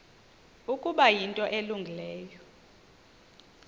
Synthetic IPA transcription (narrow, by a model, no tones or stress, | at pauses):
ukʼuɓajintʼɔʔeluŋɡʱilɛːjɔ